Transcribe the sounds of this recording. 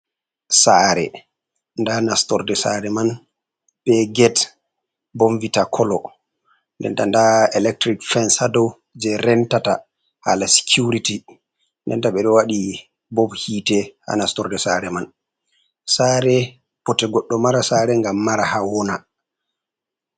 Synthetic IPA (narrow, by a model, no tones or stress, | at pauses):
saɾɛ̰ | ndanastɔɾdɛsa̰ɾɛman | bɛɡɛt | bɔmvitakʰɔlɔ | ndɛ̰ntandaɛlɛk̚tɾikfɛnsadɔw | d͡ʒɛɾɛntata | ha̰lasi̥kʰjuɾiti | ndɛ̰ntaɓɛɗɔwaɗi | bɔbhiːtɛha̰nastɔɾdɛsaɾɛman | saːɾɛ | pɔtɛɡɔɗːɔmaɾasaɾɛŋɡamːaɾahawɔna